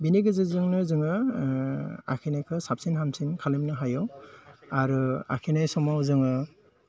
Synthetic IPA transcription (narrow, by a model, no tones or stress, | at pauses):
biniɡɯzɯzɯŋnɯzɯŋɯ | a̰kʰinajkʰɯsap̚sinɦamsinkʰalimnɯɦajɔŋaɾua̰kʰinajsɔmawzɯŋɯ